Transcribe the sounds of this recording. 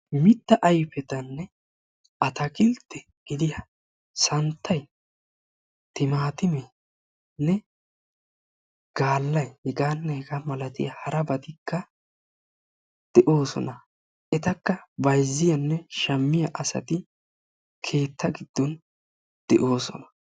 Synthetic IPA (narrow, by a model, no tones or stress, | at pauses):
mɪt̪ːɐʔɐjpɛt̪ɐnːɛ | ʔɐt̪ɐkʼɪlt̪ːɛ | ɡ̥ɪd̪ɪjɐ | sɐnt̪ʰːɐj | t̪ɪmaːt̪ɪmɛ | nɛ | ɡ̥aːlːɐjhɛɡaːnːɐhɛɡɐmɐlɐt̪ɪ̰jɐhɐɾɐbɐt̪ɪkːɐ | d̪̥ɛʔo̞ːsɔ̰nɐ | ʔɛt̪ɐkːɐbɐjzːɪjɐnːɛʃɐmːɪjɐʔɐsɐ̰t̪ɪ | kʰe̞ːt̪ʰːɐɡɪd̪̥ːɔn | d̪̥ɛʔo̞ːsɔ̰nɐ̥